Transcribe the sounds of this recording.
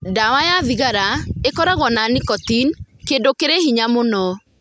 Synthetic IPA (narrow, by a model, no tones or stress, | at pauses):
dawajaðiɣaɾaekɔɾaɣwɔnanikɔtinkeːndokeɾehiɲamonɔ